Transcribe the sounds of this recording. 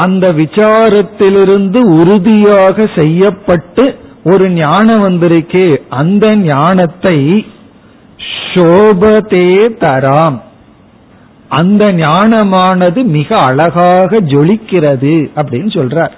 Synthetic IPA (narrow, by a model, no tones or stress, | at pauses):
ɐnd̪ɐʋɪt͡ʃaːɾɐt̪ːɪlɪɾɯnd̪ɯʊɾʊðɪjaːɣɐsɛjːɐpːɐʈːɯ | ɔɾɯnjaːɳɐmɐnd̪ɪɾɯkːeʔɐnd̪ɐnaːɳɐt̪ːɐɪ | ʂoːbɐt̪eːt̪ɐɾaːm | ɐnd̪ɐnjaːɳɐmaːnɐðɯmɪɣɐɐɭɐɣaːɣɐd͡ʒɔɭɪkːɪrɐðɯɐpːɐɽɪnːɯsɔlraːɾ